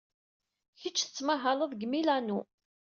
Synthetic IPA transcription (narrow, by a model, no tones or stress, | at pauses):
çət͡ʃːθə̥t͡sːmaɦələðˤɡmilænu